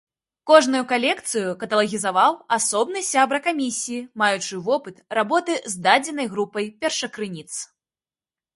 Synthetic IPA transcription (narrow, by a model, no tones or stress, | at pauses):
kɔʐnujukalʲɛkt̪sɨjukɐt̪ɐlˠɐɣʲizavawasɔbn̪ɨsʲabɾɐkamʲisʲijimajut͡ʂɨvɔpɨt̪rabɔt̪ɨzd̪ad͡zʲɛnɐjɣɾupɐjpʲɛrʂɐkɾɨnʲit̪s